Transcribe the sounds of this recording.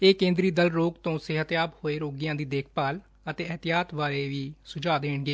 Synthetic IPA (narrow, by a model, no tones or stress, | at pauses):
eːkẽːnd̪ɾiːd̪əlɾoːɡt̪õːsɪɦət̪jaːbhoːeːɾoːɡijãːd̪iːd̪eːk̚ʰpaːl | ət̪eːɛt̪ɪjaːt̪ʋaːɾeːʋiːsʊd͡ʒaːd̪eːɳɡeː